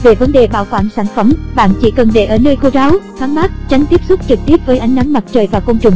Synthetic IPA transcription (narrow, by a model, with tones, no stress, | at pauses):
ve˨˩və˨˦nɗe˨˩ɓa̰ː˧˩wkwaː˧˩nsaː˧˩nfə˧˩mɓa̰ː˧˨nt͡ɕḭ˧˩kə˨˩nɗe˧˩ʔəː˧˩nəː˧jxo˧zaː˨˦wxaː˨˦nɓaː˦˥t̚t͡ɕa˨˦jŋ̟t̪i˦˥əp̚sʊ˦˥k͡p̚t͡ɕɨ˨˩k̚t̪i˦˥əp̚vəː˨˦jʔa˨˧˦jŋ̟na˨˦ŋma˨˩t̚t͡ɕəː˨˩jvaː˨˩wkə˧wŋ͡mt͡ɕʊ˨˩ŋ͡m